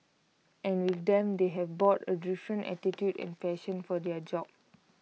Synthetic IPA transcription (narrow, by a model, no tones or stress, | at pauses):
ʔɛ̃nwitd̪ɛ̃md̪eɦɛvbɔtədɹiʃə̃nʔɛ̰titjudɛ̰̃nfɛʃə̃nfɔdɛəd͡ʒɔb̚